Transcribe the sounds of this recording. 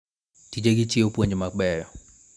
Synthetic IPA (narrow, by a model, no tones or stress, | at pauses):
tid͡ʒeɡitɪopwoɲd͡ʒmabɛjɔ